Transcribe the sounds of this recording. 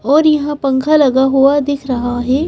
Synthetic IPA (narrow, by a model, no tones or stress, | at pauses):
ɔːɾjɐɦãpɐ̃ŋkʰalɐɡaɦuad̪ɪkʰɾɐɦaɦɛː